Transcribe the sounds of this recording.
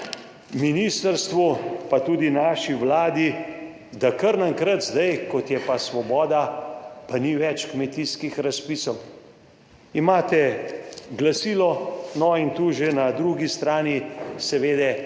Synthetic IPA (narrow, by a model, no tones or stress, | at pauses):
miniːst̪əɾst̪ʋupat̪uːd̪inaːʃiʋlaːd̪i | d̪akəɾnaŋkɾət̪zd̪ajkɔt̪jɛpasʋɔbɔːd̪apaniʋɛt͡ʃkmɛt̪iːskixɾaspiːsɔw | imaːt̪ɛ | ɡlasiːlɔnɔint̪uːʒenad̪ɾuɡist̪ɾaːnisɛʋeːd̪ɛ